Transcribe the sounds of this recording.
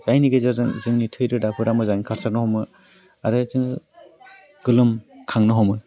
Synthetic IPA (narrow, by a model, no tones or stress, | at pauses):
z̥ajniɡɯzazɯŋzɯŋnitʰɯjɾɯdapʰɯɾamɯzajnkʰaɾsaɾnɯhɔwmɯ | aɾɯzɯŋ | ɡ̥ɯlɯmkʰaŋnɯɦɔmɯ